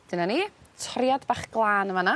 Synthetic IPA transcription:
d̥ɪnanitʰrjadbaːχɡ̥lˠaːnəvana

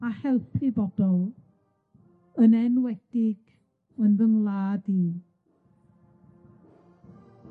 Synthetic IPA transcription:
ahɛlˠpʰibɔd̥ɔlˠ | ənɛnwɛd̥ɪɡ̥ | ənðəmlˠaːdi

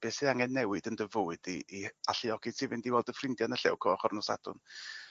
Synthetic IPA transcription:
b̥eːsiaŋɛnːɛwɨdəndəvʊɨdiʔiaɬiɔɡ̥ɨtʰiːvɪndiwɛlˠdəfrɪndjanəɬɛ̰wkʰɔɔχɔrnɔsa̰d̥ʊ̰n

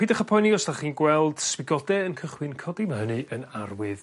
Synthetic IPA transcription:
iːdaχapʰɔjniɔsd̥aχiːnɡwɛlˠd̥swɪɡɔdɛənkʰəχwɪnkʰɔdimaɦənɨʔənarwɪð

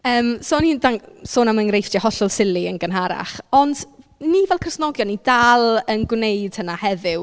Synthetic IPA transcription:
əːmsoːniːndaŋsoːnamənrejfdahɔɬʊlˠsɪlˠiənɡənɦaɾa̰χɔnd | nivɛlˠkʰr̥əsnɔɡjɔnidalˠənɡwnejd̥hənahɛvɪw

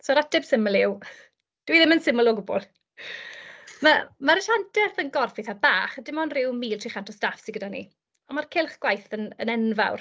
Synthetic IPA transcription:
sɔɾadɪb̥sɪməlˠɪw | d̥wiðɪmənsɪməlˠɔɡʊbɔ̰lˠ | mamaɾəʃantʰɛrθənɡɔrfɪθabaːχədɪmɔnrɪwmiːltʰriχantʰɔstafsiɡədanḭ | ɔnmarkʰɪlˠχɡ̥wajθənə̰nɛnva̰wr

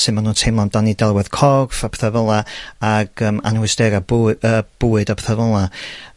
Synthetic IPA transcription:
sɨnmanuːntʰemlˠamd̥anidɛlˠwɛð̥kʰɔrfapθəvəlˠaaɡ̥əːma̰nhʊɨsd̥ɛɾabəːb̥uːɨdapθəvəlˠa

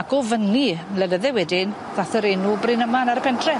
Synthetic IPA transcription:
akɔvənilɛnəðɛwɛdɪn | ðaθəɾenubrɪnəmanaɾəpʰɛntʰrɛ

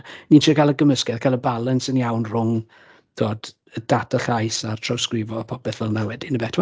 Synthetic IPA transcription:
niːntʰikʰalˠəɡəməskɛðkʰalˠəbalˠənsənjawnr̥ʊŋ | d̥ʰoːd̥ | əd̥atʰəɬajsartʰrɔwskrɪvɔpʰɔpɛθvəlˠnawɛdinəbɛtʰwa

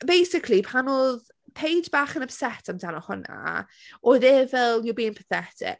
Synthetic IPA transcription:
b̥ejsɪkʰlˠipʰanoːð | pʰejdbaːχənəpsɛtʰamdanɔhʊna̰ | ʔoðɛːvɛlˠjɔbiːɪnpʰəθɛtʰɪ̰k

